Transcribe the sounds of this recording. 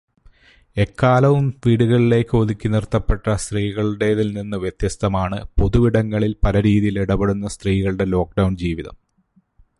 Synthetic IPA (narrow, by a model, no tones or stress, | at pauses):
e̞kːaːlɐʋumʋiːɽuɣɐɭile̞ːkːɨoðikʲːinirt̪ːɐpːe̞ʈːɐst̪riːɣɐɭɽe̞ːðilninːɨʋjet̪jɐst̪ɐmaːɳɨpo̞ðuʋiɽɐŋːɐɭilpɐlɐɾiːðijiliɽɐbeɽunːɐst̪riːɣɐɭɨɽe̞lo̞ːk̚ɖɐwɳd͡ʑiːʋiðɐ̰m